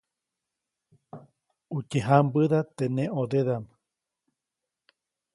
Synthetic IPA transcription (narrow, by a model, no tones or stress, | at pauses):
ut͡ʃeɦambɨðat̪enẽʔoðeðam